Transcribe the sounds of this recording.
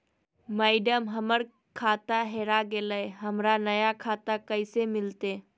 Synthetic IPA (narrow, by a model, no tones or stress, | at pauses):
maɪɖəmɦəməɾ | kʰaːt̪aɦeːɾaɡeləeɦəmɾanɐjakʰaːt̪akəɪsemɪlt̪eː